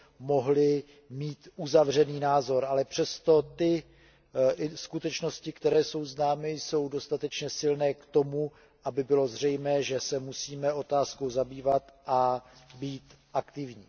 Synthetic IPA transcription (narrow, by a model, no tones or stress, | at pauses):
mo̞ɦlɪ | miːt̪ʔuzavr̝ɛniːnaːzo̞ɾʔalɛpr̝̥ɛst̪o̞t̪ɪ | skut̪ɛt͡ʃno̞scɪkt̪ɛɾɛːso̞wznaːmɪjso̞wdo̞st̪at̪ɛt͡ʃɲɛsɪlnɛːkt̪o̞mu | ʔabɪbɪlo̞zr̝ɛjmɛːʒɛsɛmusiːmɛo̞t̪aːsko̞wzabiːvat̪ʔabiːt̪ | ʔakt̪ɪvɲiː